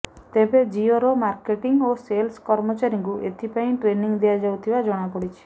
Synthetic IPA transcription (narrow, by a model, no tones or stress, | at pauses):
t̪ebed͡ʒioɾomaɾkeʈiŋoselskɔɾmɔt͡ʃaɾiŋkuʔet̪ʰipaĩʈɾeniŋd̪iad͡ʒawt̪ʰibad͡ʒɔɽ̃apɔɽit͡ʃʰi̥